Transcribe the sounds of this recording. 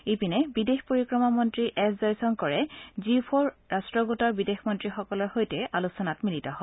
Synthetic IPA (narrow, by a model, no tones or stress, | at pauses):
epinɛbidexpoɹikɹɔmamɔntɹiʔɛszɔjsɔnkɔɹɛzipʰɔɹɹastɹɔɡotɔɹbidexmɔntɹixɔkɔlɔɹxojtɛʔalusɔnatmilitɔɦɔ